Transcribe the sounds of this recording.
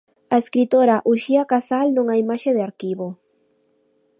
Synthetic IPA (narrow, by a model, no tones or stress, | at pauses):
aeskɾit̪oɾaʔuʃiakasalnõŋaimaʃeðeaɾkiβo